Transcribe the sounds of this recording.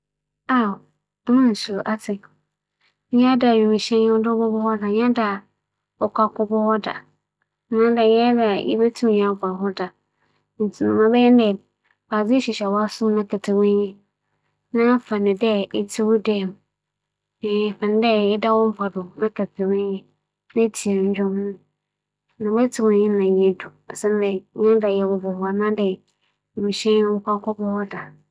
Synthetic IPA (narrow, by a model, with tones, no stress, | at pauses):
a˦˨˦ | mã˦˨n˨si˨lo˨ʔa˦tʰɪ̃˨˦ | ɲɛ̃˦a˦da˨ɥi˨mi˨ɕɛ̃˦ɲɪ̃˦wɔ˦dʊ˦bʊ˦bʊ˦hɔ˦da˨ɲ̃˦da˨ | ɔ˨kʷʰa˦kʊ˦bʊ˦hɔ˦da̰˨˦ | nã˦da˨ɲɛ̃˦da˨jɛ̰˦bɛ˦tʰũ˦m˨ɲ˨ã˨˦˨bɔ˨ɾɦɔ˦da˨ | n̩˨tʰu˨nʊ̃˨mã˦bɛ˦jɛ˦n˦dɛ˦˨ | ba˨d͡zɪ˦ɕi˨ɕɛ˨wɔ˨˦a˦sʊ˦nã˦kʰɛ˨tʰɪ˨wʊ̃˦jĩ˦ | nã˦fa˨nɪ̃˨dɛ˦ɪ˦tʰɪ˦wʊ˦dɛ˦˨m˨ | fã˨n˦dɛ˦ɪ˦da˦wɔ̃˦m̩˦pʰa˨dʊ˨nã˦kʰɛ˨tʰɪ˨wɛ̃˦ɲjɛ̃˦ | nã˦tʰi˨e˨ɲ̩˦d͡ʑᶣɔ˦mnʊ̃˦ | nã˨bɛ˦tʰɪ˦wʊ̃˦ɲɲɪ̃˦n˦nã˨jɛ˦dʊ˨a˨sɛ̃˦n˦dɛ˨˦ɲã˦da˨jɛ˨wʊ˨bɛ˨wa˨nã˦dɛ˦˨ | mĩ˨ɕɛ̃˦ñ˦wʊ˦kʷa˦kʰɔ˦bɔ˦hɔ˦da˨